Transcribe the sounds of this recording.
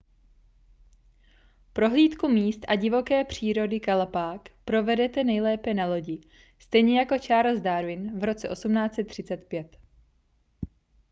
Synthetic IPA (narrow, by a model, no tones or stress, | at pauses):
pɾo̞ɦliːt̪kumiːst̪ʔaɟɪvo̞kɛːpr̝̥iːɾo̞dɪkalapaːkpɾo̞vɛdɛt̪ɛnɛjlɛːpɛnalo̞ɟɪ | st̪ɛjɲɛjako̞t͡ʃaːɾlzdaɾvɪnvɾo̞t͡sɛʔo̞sumnaːt͡sɛt̪ːr̝̥ɪt͡sɛt̪pjɛt̪